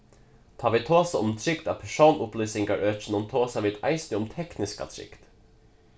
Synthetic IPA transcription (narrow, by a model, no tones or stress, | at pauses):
t̪ʰɑːʋɪːt̪ʰoːsə̰ʔʊmt̪ʰɾɪkt̪ɑ̰ːpʰæʃuːnʔʊplyːsɪŋɡɑɹʔøːt͡ʃn̩ʊmt̪ʰoːsɑʋɪːd̪æ̰ɪst̪ɪʊmt̪ʰɛknɪskɑ̰t̪ʰɾɪ̰kt̪